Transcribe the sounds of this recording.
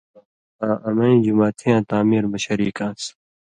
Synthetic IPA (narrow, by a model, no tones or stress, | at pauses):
ãːʔɐmɐ̃ĩd͡ʑumaːt̪ʰijãːt̪aːmiːɾbɐɕɐɾiːkãːs